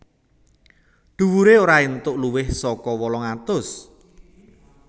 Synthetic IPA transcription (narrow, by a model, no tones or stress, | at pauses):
ɖ̪̥ṳwuɾeoɾaint̪ʊʔluwɪhsɔkɔwɔlɔŋat̪ʊs